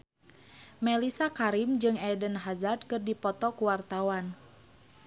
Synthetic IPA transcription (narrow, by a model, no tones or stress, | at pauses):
mɛlisakaɾimd͡ʒɨŋɛdənɦazad̪̚kɨrdipɔt̪ɔkuwart̪awan